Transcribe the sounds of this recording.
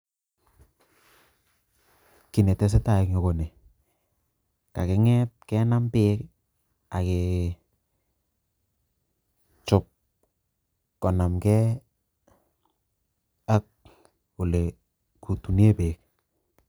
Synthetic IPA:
kɪ˨nɛ˨tɛ˨s̬eɛ˦ta˨ɪkɲo˨ko˨ne˨ | ka˨kɪ˦ŋɛ˦t̚kɛ˦na˦mpɪː˦k | a˨ke˨ | t͡ʃʊ˨p̚ | kɔ˨na˨mkɛ˦ | a˦k̚ | ʊ˨le˨ | ku˨tu˨ne˦pɪː˨k̚

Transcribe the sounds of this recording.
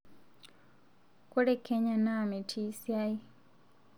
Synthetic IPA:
ko˦ɾɛkɛɲaname˨tʰi˦sia˦i˦

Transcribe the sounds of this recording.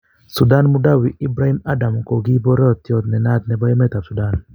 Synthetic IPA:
su˨da˦nmu˦da˦wi˨i˦bɾa˦i˦ma˦da˨mo˨ko˨ɡi˦bɔ˦ɾɔ˦t̪jɔ˦t̪nɛ˨na˦t̪̚nɛ˨bɔ˦jɛ˦mɛ˦t̪a˨su˨da˦˨n

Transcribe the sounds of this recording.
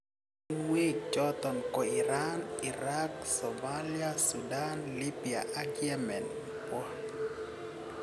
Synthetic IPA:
nwe˦d͡ʒɔ˦t̪ɔ˨nkɔ˨i˨ɾani˨ɾa˦ksɔmalia˦suda˦nli˦bi˨a̰˨ʔa˦ɡjɛ˦mɛ˨nipɔ˦

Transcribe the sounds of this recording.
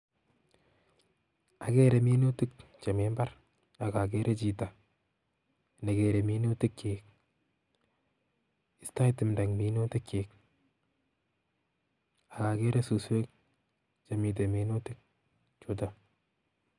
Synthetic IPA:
a˨kɛ˦ɾe˨mi˦no˦tɪ˦k̚t͡ʃa˨me˦mba˦ɾ | a˨ka˨k̬e˦ɾʔe˦t͡ʃi˨ta | ne˨ɡe˨ɾe˨mi˦no˦tɪ˦kt͡ʃeːk̚ | ɪ˨sta˦tɪ˨mda˨ŋmi˦no˦tɪ˦kt͡ʃeːk | a˨ka˨ke˦ɾe˦su˨swe˦k̚ | t͡ʃa˨mi˨t̬e˨mi˨no˦tɪ˦k̚ | t͡ʃo˨t̬a

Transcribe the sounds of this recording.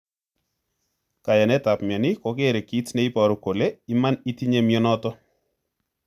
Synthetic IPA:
ka˨jɛ˨nɛ˦ta˨pmɛ˨ni˦ko˨ke˦˨ɾe˨ki˦tne˦i˦pɔ˨ɾo˨ko˨le˦i˦ma˦ni˦ti˦ɲe˦mjɔ˦nɔtɔ˦

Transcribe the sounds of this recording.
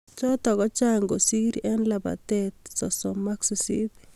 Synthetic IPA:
t͡ʃɔ˦tɔ˨ɣɔ˦t͡ʃa˦ŋɡo˨si˦ɾɛ˦nlaba̰˨tɛt̚sɔ˨sɔ˨ma˦ksi˨sḭ˦t

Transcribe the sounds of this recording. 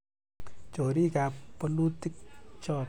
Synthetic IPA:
t͡ɕo˨ɾi˦˨ka˨pɔ˧lu˦t̪i˦k̚t͡ʃɔ˧˨

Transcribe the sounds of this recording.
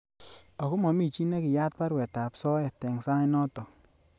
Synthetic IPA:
ɔ˨kʊ˦mɔ˨mi˦˨t͡ʃi˦nɛ˦kɪ˨ja˦t̚pa˦ɾwɛ˨ta˨psɔ˦ɛ˨tɛ˨ŋsa˦ŋi˦nɔ˦tɔ˨

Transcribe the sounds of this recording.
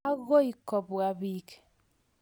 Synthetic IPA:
a˦ɣo˦i˨kɔ˨bwa˦βi˦k

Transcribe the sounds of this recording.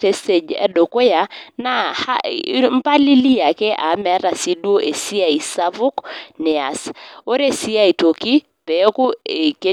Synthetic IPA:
e˦se˨d͡ʒɛ̰˨˦do˨ko˦ja˨na˦ha̰˦m̩˦pa˦li˦li˦ja˨ke˦ʔa˨˦mɛ˨˦ɾa˨si˦dwo˦ʔe˨si˦a˨i˨sa˦vʊ˦knɛ˨a̰˨so˦ɾe˦si˦a˦i˨to˨ki˦ | pe˨˦ku˦e˨ke˦

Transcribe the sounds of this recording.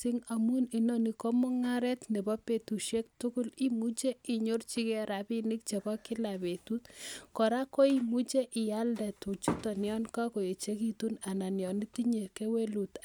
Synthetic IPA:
si˦ŋa˨mu˦ni˨nɔ˦ni˨ko˦mʊ˦ŋa˦ɾɛ˦tne˨bɔ˦pe˨tu˨ʃe˦k̚tukʊ˦li˦mu˦t͡ʃe˦i˨ɲo˦rt͡ʃi˦kɛ˦ɾa˨pi˦ni˦k̚t͡ʃe˨bɔ˦kɪ˦la˨be˨tu˦tkɔ˨ɾa˦ko˦i˦mu˦t͡ʃe˦ʔɪ˨ja˦ldɛ˨tu˨t͡ʃu˦tɔ˨njɔ˦nka˦ko˨e˨t͡ʃe˦ki˦tu˦na˨na˨njɔ˨ni˦ti˦ɲe˨ke˦we˦lu˨t

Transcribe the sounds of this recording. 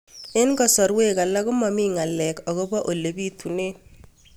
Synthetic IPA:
ɪ˦nkɔ˨sɔ˨ɾwe˦ka˨la˦kʊ˦mɔ˨mi˦ŋa˨lɛ˨kɔ˨ɣɔ˦bɔ˦ʔo˨le˨bi˦tu˨neː˦

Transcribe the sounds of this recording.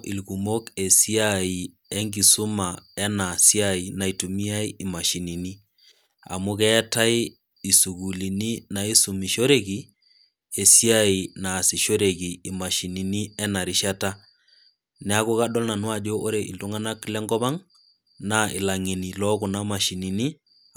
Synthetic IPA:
ʔi˨lku˨mo˦ke˨si˦ai˨ | ɛ˦ŋɡi˨su˦ma˨ɛ˦na˨si˦a˦˨i˨na˨i˨tu˨mi˦a˦i˦i˨ma˨ʃi˨ni˨ni˦ | a̰˨mu˦kɛ˦ta˦i˦ | i˨su˨ku˨li˨ni˦na˨i˦su˨mi˨ʃo˦ɾe˦ki˨ | e˨si˦a˦˨i˨na˨si˨ʃo˦ɾe˨ki˨i˨ma˨ʃi˨ni˨ni˦ɛ˦na˨ɾi˦ʃa˦ta˦ | nɛ˨˦a˦ku˦ka˦ɗɔ˦lna˨nwa˨d͡ʒo˦ʔo˦ɾe˨ʔḭ˨ltu˦ŋa˦na˦klɛ˦ŋɡɔ˦ba˦ŋ | na˦ʔɪ˨la˨ŋi˨ni˨lɔ˦ku˨na˦ma˨ʃi˨ni˨ni˦

